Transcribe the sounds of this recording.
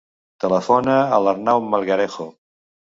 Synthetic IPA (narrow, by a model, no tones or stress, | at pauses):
t̪ələfonəːlaɾnawmalˠɣaɾexo